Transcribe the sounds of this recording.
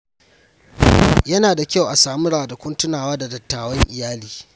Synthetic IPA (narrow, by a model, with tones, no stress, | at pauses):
jɐ˦naː˨da˨kʲa˦wʔa˨saː˨mu˦ɽaː˨dɐ˨kʷʊ˦ntʊ˦naː˨waː˦da˨dɐ˨tːaː˨wɐ˦ŋʔɪ˨jaː˦liː˨